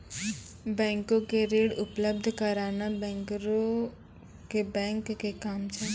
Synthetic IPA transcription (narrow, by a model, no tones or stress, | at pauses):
bɛ̃ːŋkõkeɾeːɽʊpləbd̪ʱkəɾaːnabɛ̃ːŋkɾõ | kebɛ̃ːŋkːekaːmt͡ʃʰɛ